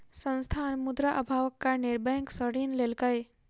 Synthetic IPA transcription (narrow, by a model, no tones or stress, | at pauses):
sə̃nst̪ʰanmud̪ɾaʔəbʱaʋəkːanɪɾbəjə̃ŋksəɽinlelkəj